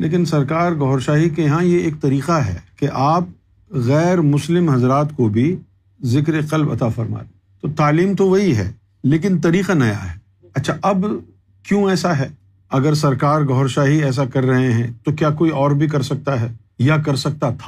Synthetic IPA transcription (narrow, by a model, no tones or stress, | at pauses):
lḛːk̬ɪnsɐɾkaːɾɡɔɦɾʃaːɦikeɦãjeeːk̚t̪ɐɾiːqaɦɛ̰ːkeʔaːp̚ | ɣɛːɾmʊslɪmɦɐzɾaːt̪kobʱi | zɪkɾeqɐlbɐ̰t̪afɐɾma̰ːleː | t̪ot̪aːliːmt̪oʋɐɦiɦɛ̰ː | leːk̬ɪnt̪ɐɾiːqanɐja̰ɦɛː | ɐtːʃʰaʔɐb | kjõɛːsaɦɛː | ɐɡəɾs̬ɐɾkaːɾɡɔɦːɾʃaːɦiɛːs̬akɐɾːɐɦeɦɛ̃t̪okjaːkoːiɔːɾbʱikɐɾsɐk̚t̪aɦɛː | jak̬ɐɾsɐk̚t̪at̪ʰḁː